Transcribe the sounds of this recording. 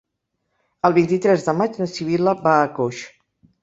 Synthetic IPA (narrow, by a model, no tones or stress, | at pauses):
əlˠβint̪it̪ɾɛzðəmad͡ʒnəsiβ̞iləbaəkoʃ